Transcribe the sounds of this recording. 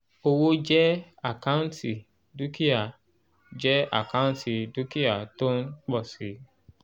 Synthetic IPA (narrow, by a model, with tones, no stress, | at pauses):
o˧wo˦d͡ʒɛ˦ | a˨kã˦ũ˦n˦ti˨ | du˦ki˦a˨ | d͡ʒɛ˦a̰˨kã˦ũ˦nti˨du˦ki˦a˨to˦n˦k͡pɔ˦˨si˨˦